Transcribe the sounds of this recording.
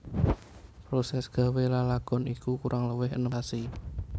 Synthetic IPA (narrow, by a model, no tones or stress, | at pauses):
pɾosɛsɡ̥ä̤welalaɡ̥ɔ̤nikukuɾʔaŋləwɪɦənəasi